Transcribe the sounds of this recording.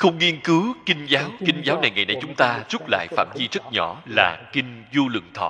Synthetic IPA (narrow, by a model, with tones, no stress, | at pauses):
xə˧wŋ͡mŋi˧ənkɨ˨˦wkï˧ŋ̟zaː˨˦wkï˧ŋ̟zaː˨˦wna˨˩jŋa˨˩jna˧˩jt͡ɕʊ˨˦ŋ͡mt̪aː˧zu˦˥p̚la̰ː˧˨jfaː˧˩mzi˧zə˦˥t̚ɲɔ˧˩˨la̰ː˨˩kï˧ŋ̟zu˧lɨ̰˧˩əŋt̪ʰɔ̰˧˨